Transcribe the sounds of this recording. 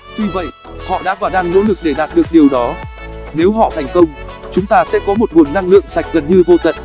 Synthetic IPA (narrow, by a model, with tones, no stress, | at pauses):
ɲɨ˧və̰˧˨j | hɔ̰˧˨ɗa̰ː˧˥vaː˨˩ɗaː˧ŋno̰˧˥lɨ˨˩k̚ɗe˧˩ɗaː˨˩t̚ɗɨ˨˩ək̚ɗi˨˩əwɗɔ˨˦ne˨˦wɦɔ̰˧˨t̪ʰɛ˨˩jŋ̟kə˧wŋ͡mt͡ɕʊ˨˦ŋ͡mt̪aː˧sɛ̰˧˥kɔ˨˦mo˨˩t̚ŋu˨˩nːa˧ŋlɨ̰˧˨əŋsa˨˩jk̟̚ɣə˨˩nɲɨ˧vo˧t̪ə̰˧˨n